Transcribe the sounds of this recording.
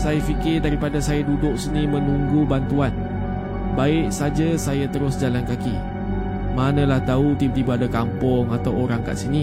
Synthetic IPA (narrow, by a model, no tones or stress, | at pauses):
sajafikɪrdaɾipadasajadudʊk̚sənĩmə̃nũŋɡubant̪uan | baɪʔsad͡ʒasajat̪əɾʊsd͡ʒalankaki | manə̃laht̪aut̪ib̚t̪ibaadakampʊŋat̪awoɾaŋka̰ʔsini